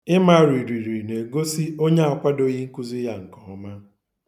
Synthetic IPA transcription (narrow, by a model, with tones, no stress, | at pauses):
ɪ˦ma˦˨ɾi˨ɾi˨ɾi˨ne˨ɡo˦si˦o˦ɲe˦a˨kʷa˦do˦ɣi˦ŋ̩˦ku˦zi˦ja˦ŋ̩˨kɔ˨ɔ˦ma˦